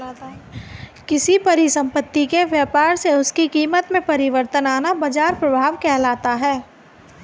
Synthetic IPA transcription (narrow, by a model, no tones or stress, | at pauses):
kɪsipɐɾɪsə̃mpət̪ːikeʋjəːpaːɾseʊskikiːmət̪mẽpɐɾɪʋəɾt̪ənaːnabɐd͡ʒaːɾpɾɐbʱaːʋkɛɦlaːt̪aɦɛː